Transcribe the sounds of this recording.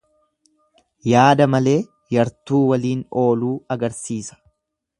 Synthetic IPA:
jaːd̪ɐmɐle̞ː | jɐɾt̪uːwɐliːno̞ːluːɐɡɐɾsiːsɐ̥

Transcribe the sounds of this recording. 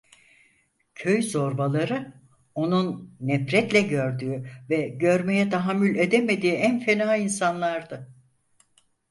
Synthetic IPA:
cʰøjzo̞ɾbalˠaɾɯ | o̞nunːɛfɾɛt̪lʲɛɟø̞ɾd̪yːyvɛɟø̞ɾme̞jɛt̪ʰaɦamːylʲed̪eme̞d̪iːænfe̞naːinsanlˠaɾd̪a

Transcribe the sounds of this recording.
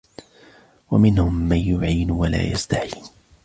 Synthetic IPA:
wamɪnhʊmːanjʊʕiːnwala̰ːjast̪aħiːn

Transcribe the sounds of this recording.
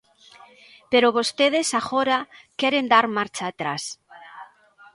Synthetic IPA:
peɾoβost̪eð̞esaɣoɾakɛɾend̪aɾmaɾt͡ʃaːt̪ɾas

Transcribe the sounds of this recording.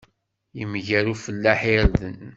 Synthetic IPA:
jəmʝæɾufəlːæħɪɾðən

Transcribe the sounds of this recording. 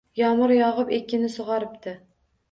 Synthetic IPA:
jɒmʊɾjɒʁɨpekʲʰːɪnɪsoʁɑɾɪpt̪ʰɪ

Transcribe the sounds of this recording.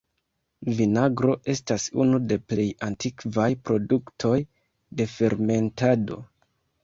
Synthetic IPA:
vinaɡɾo̞ʔe̞stasunude̞ple̞jantikvajpɾo̞duktʰo̞j | de̞fe̞ɾme̞ntado̞̰

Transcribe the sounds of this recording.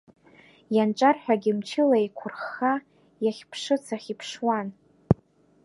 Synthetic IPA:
janʈ͡ʂʼarħᶣaɡʲɪmt͡ʃʰɪlaikʷʰʊrχːa | jaχʲpʰʂɨt͡sʰaχʲipʰʂwan

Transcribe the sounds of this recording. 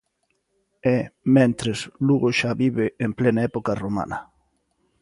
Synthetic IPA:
ɛmẽnt̪ɾesluɣoʃaβiβeːmplenaɛpokaromã̰nɐ

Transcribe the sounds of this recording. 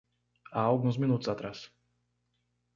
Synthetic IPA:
aɔɡnus̬minut̪zat̪ɾas

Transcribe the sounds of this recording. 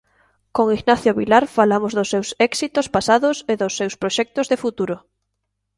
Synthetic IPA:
koŋiɣnaθjoβilaɾfalamozðʊsːewsɛksit̪ospasaðʊseðosːewspɾoʃɛk̚t̪ozðefut̪uɾʊ

